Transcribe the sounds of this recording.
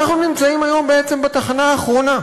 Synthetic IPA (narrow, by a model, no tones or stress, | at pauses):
aχnunimt͡saimajo̞mbeet͡se̞mbat̪aχanaːχʁo̞na